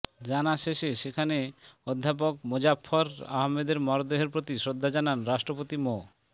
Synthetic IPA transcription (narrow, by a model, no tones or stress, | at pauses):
d͡ʑanaʃeʃeʃekʰaneod̪ʱːap̬ok̚mod͡ʑapʰːɔɾa̰ɦmed̪eɾmɔɾod̪eɦeɾpɾot̪iʃɾod̪ʱːad͡ʑananɾaʃʈɾopot̪imo